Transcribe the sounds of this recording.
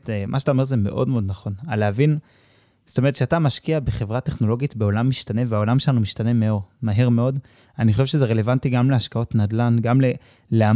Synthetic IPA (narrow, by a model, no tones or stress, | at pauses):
tmʔaʃat̪aome̞ʁzeme̞̰ʔo̞̰dmeo̞dnaχo̞naleavin | z̥o̥tome̞ʁetʃeatamaʃkiabeχe̞vʁate̞χno̞lo̞ɡitbeo̞lamːiʃtane̞veao̞lamʃelanumiʃtane̞me̞o̞ʁmaɦeʁme̞o̞d | aniχoʃevʃezeʁe̞le̞vantiɡamleaʃkao̞tnadlanɡamle | lea